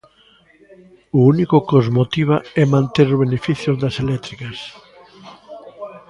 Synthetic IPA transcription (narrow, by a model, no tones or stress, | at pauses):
ʊunikʊkozmot̪iβ̞aɛmãnt̪eɾʊβ̞enefiθjozðɐselɛt̪ɾikɐs